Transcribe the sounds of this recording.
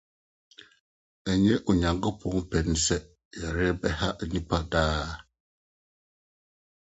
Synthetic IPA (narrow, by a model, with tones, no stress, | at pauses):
ɛ˨ɲɛ˦ʔu˨ɲa˨ŋɡə˦pɔ˨˦ŋpɛ˨n˦sɛ˦ | ja˨ɾe˦bɛ˦ha˦ʔɲi˦pa˦daː˦˨